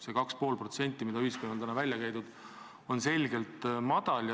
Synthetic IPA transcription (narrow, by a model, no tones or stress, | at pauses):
se̞kɑkspo̞ːlpro̞t̪se̞nʲt̪ːˑimid̪ɑyhiskonːɑlt̪ænɑvælʲjɑkæjd̪ud̪̥ | o̞nse̞lʲɡe̞lt̪mɑd̪̥ɑlj